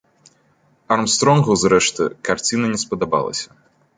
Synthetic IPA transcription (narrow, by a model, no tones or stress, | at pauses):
ɐrmst̪ɾɔnɣuzɾɛʂt̪ɨ̰kart͡sʲinɐnʲɛspɐd̪aba̰lˠɐ̰sʲɐ